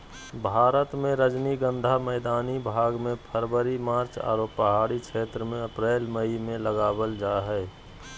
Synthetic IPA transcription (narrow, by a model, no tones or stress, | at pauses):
bʱaːɾət̪mẽɾəd͡ʒniɡə̃nd̪ʱaməːd̪aːnibʱaːɡmẽpʰəɾbəɾimaːɾt͡ʃa̰ːɾoːpəɦaːɽikʃʰeːt̪ɾəmẽəpɾeːlməimẽləɡaːbəld͡ʒaɦɛː